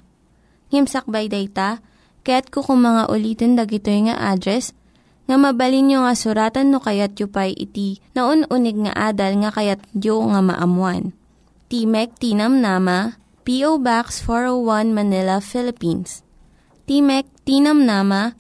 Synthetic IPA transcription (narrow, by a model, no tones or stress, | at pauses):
ŋɪmsɐk̚bajd̪ɛjt̪ɐ | kɐjat̪̚kokʊŋmɐŋaʔʊliːt̪ond̪ɐɡɪt̪ojŋɐ̰ʔad̪ɾɛs | ŋɐmɐbɐlinjoŋɐsʊɾaːt̪ɐnːokɐjat̪̚jʊpajʔɪ̰t̪inɐʔonʔunɛɡ̚ŋɐ̰ʔaːd̪ɐlŋɐkɐjat̪̚joŋɐmɐ̰ʔɐmwan | t̪imɛk̚t̪inɐmnamɐ | piʔowbaksfoɹowwanmɐnɪlɐfɪlɪpins | t̪imɛk̚t̪inɐmnaːmɐ